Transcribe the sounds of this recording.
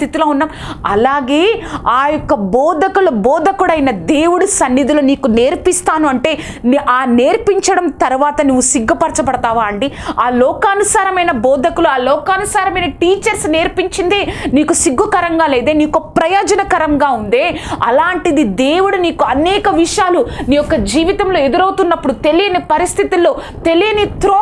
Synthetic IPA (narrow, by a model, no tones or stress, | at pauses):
it̪iloːunːaːm | ɐ̰laːɡe̞ːaːjɔkːɐbɔːd̪ʱɐkulɐbɔːd̪ʱɐkuɽɐjnɐd̪eːwuɽusɐnːid̪uloːniːkune̞ːɾpist̪aːnuɐɳʈe̞ː | nʔaːne̞ːɾpiɲt͡ʃɐɽɐmt̪ɐɾuʋaːt̪ɐnuʋːusiɡːɐpɐɾt͡ʃɐpɐɽɐt̪aːʋaːɐɳɖiaːlɔːkaːnusaːɾɐmɐjnɐbɔːd̪ʱɐkuluaːlɔːkaːnusaːɾɐmɐjnɐʈiːt͡ʃɐɾsne̞ːɾpiɲt͡ʃind̪e̞ːniːkusiɡʋɐkɐɾɐŋɡaːle̞ːd̪eːniːkupɾɐjoːd͡ʒɐnɐkɐɾɐŋɡaːund̪eːɐ̰laːɳʈid̪id̪eːwuɽuniːkuɐnɛːkɐʋiʂjaːluniːjɔkːɐd͡ʒiːʋit̪ɐmlo̞ːe̞d̪uɾɐwt̪unːɐpːuɽut̪e̞lijɐnepɐɾist̪ʰit̪ilːo̞ː | t̪e̞lijɐnet̪ɾoː